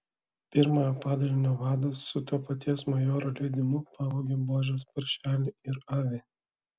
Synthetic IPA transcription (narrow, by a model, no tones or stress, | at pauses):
pʲɪɾmɑjopɑːd̪ɐlʲɪnʲoːʋɑːd̪ossʊt̪uɔpɐt̪ʲiɛsmɐjoːɾolʲɛɪd̪ʲɪmʊpɑːboɡʲeboːʒʲospɐɾʲʃʲæːlʲɪɪɾɑːʋʲeː